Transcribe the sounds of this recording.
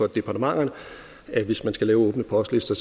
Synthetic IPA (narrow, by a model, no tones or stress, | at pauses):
ɒ̽d̥e̝pʰɑ̈dʰəmɑ̈ŋ̰ɐnə | æʋe̝smænsɡ̥ælɛːʊɔ̽ːb̥nəpʰɒsd̥lesd̥ɐs